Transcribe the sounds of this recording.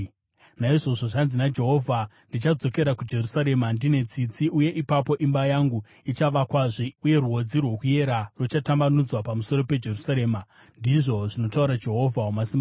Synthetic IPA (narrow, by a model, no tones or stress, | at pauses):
naiʐo̞ʐo̞ʐanzinad͡ʒe̞ɦo̞vʱa | ndit͡ʃad͡zo̞ke̞ɾakud͡ʒe̞rusaɾe̞mandine̞t͡sit͡siʔuje̞ʔipapo̞ʔimbajaŋɡu | it͡ʃaʋakwaʐiuje̞ruɦod͡zirwo̞kuje̞ɾarwot͡ʃatambanud͡zwapamuso̞ɾo̞pe̞d͡ʒe̞rusaɾe̞ːma | ndiʐo̞ʐino̞tauɾad͡ʒe̞ɦo̞vʱawamasimba